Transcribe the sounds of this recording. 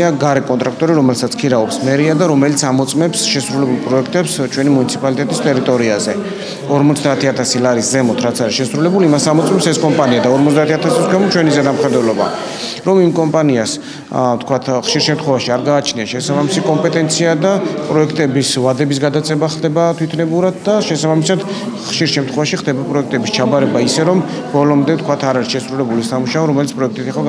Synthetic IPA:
aɡaɾɛkʼɔnt̪ʼɾak̚ʰt̪ʼɔɾiɾɔmɛlsat̪sʰkʰiɾaɔpsmɛɾiad̪aɾɔmɛlit̪sʰamɔt̪sʼmɛpsʃɛsɾulɛbulˠpʼɾɔɛkʰt̪ʼɛpst͡ʃʰwɛnimunit̪sʰipʼalit̪ʼɛt̪ʼist̪ʼɛɾit̪ʼɔɾiazɛ | ɔɾmɔt̪sʰd̪aːt̪ʰiat̪ʰasilaɾiszɛmɔt̪ʰɾat̪sʰaɾisʃɛsɾulɛbulimasamɔt̪sʼmɛpsɛskʼɔmpʼaniad̪aɔɾmɔt̪ʰd̪aːt̪ʰiat̪ʰasisɡwɛmɔt͡ʃʰwɛnizɛd̪amχɛd̪wɛlɔba̰ | ɾɔmimkʼɔmpʼanias | t̪ʰkʰwat̪ʰχʃiɾʃɛmt̪ʰχwɛvaʃiaɾɡaːt͡ʃʰniaʃɛsabamisikʼɔmpʼɛt̪ʼɛnt̪sʰiad̪apʼɾɔɛkʰt̪ʼɛbisvad̪ɛbis̬ɡad̪at̪sʼɛbaχlˠd̪ɛbat̪ʰwit̪ʰnɛbuɾad̪̚d̪aʃɛsabamisad̪ | χʃiɾʃɛmt̪ʰχwɛvaʃiχd̪ɛbapʼɾɔɛk̚ʰt̪ʼɛbist͡ʃʰabaɾɛbaisɛɾɔm | bɔlɔmd̪ɛt̪ʰkʰwat̪ʰaɾaɾisʃɛsɾulɛbulisamuʃaɔɾɔmɛlit̪spʼɾɔɛkʰt̪ʼit̪ʰɛχɔ

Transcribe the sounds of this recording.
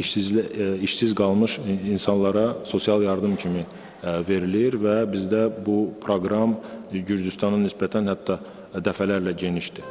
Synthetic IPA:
ʃiziʃsizɡɑlˠmɯʃinsɑnlˠɑɾɑso̞sijɑlˠjɑɾd̪ɯmcʰimi | ve̞ɾiliɾvæbizd̪æbupʰɾoɡɾɑmɟyɾd̪yst̪ɑnɯnisbæt̪ʰænhæt̪ʰːɑ | d̪æfælæɾlæɟe̞niʃd̪i

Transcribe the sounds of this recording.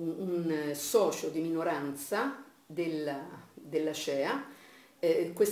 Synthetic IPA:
unsɔːt͡ʃod̪iminoɾant̪sa | d̪elad̪elːat͡ʃɛːa | kwes

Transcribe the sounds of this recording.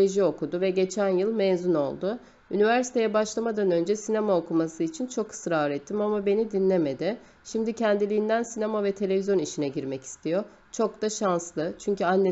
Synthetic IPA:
eʒio̞kʰud̪uvɛɟe̞t͡ʃʰænjɯlˠmɛzuno̞̰lˠd̪ʊ | ynivæɾsi̥t̪ʰe̞jɛbaʃlˠamad̪anø̞nd͡ʒɛsinemaokumasɯit͡ʃʰint͡ʃʰo̞kʰɯ̥sɾaːɾɛt̪ʰːimamabe̞nid̪inlʲe̞me̞d̪ɪ | ʃimd̪icʰænd̪ilʲiːnd̪ænsinemavɛt̪ʰe̞lʲe̞vizjo̞niʃinɛɟiɾmɛci̥st̪ʰijo̞ | t͡ʃʰo̞k̚d̪aʃanslˠɯt͡ʃʰyɲcyanː

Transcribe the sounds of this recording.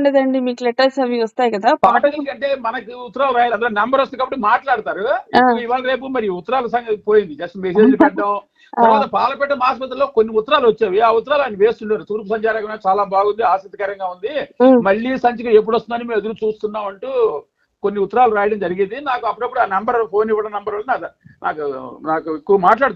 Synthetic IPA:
ɳɖeːd̪ɐɳɖimiːkleʈːɐsɐʋiːɐst̪aːjkɐd̪aːpaːʈɐliɐɳʈe̞ːmɐnɐkiut̪ːɐɾaːlɾaːjɐɐnd̪loːnembɐɾʋɐst̪ikaːbɐʈːimaːʈlaːɽut̪aːɾuɐiʋaːlɐɾe̞ːp̬umɐɾiiːut̪ːɐɾaːlɐs̬ɐŋɡɐpo̞ːjind̪id͡ʒɐsʈɐmeseːd͡ʒlipɛʈːɐm | t̪ɐɾɐʋaːt̪ɐpaːlɐpɛʈːɐmaːspɐt̪̬ɐlːoːkonːiut̪ːɐɾaːluʋɐt͡ʃːaːʋiaːut̪ːɐɾaːlaːjniʋe̞ːst̪uɳʈaːɾut̪uːɾp̬usɐɲt͡ʃaːɾaːkɐʋnaːt͡ʃaːlaːbʱaːɡund̪iaːsɐt̪ːikɐɾɐŋɡaːund̪imɐɭːisɐɲt͡ʃɐkɐe̞p̬ːuɽɐst̪unɐnimeːmed̪uɾut͡ʃuːst̪unːaːmɐɳʈuː | ko̞nːiut̪ːɐɾaːluɾaːjɐɽɐmd͡ʒɐɾiɡind̪inaːkuɐpːuɽɐpːuɽaːnɐmbɐɾpʰo̞ːniʋɐɽɐnɐmbɐɾɐːlːnaːnʔa̰ːkunaːkuekːuʋɐmaːʈlaːɽut̪

